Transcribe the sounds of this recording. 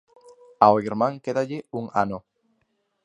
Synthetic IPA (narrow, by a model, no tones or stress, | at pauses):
aoiɾmãŋkeðaʎeuŋa̰no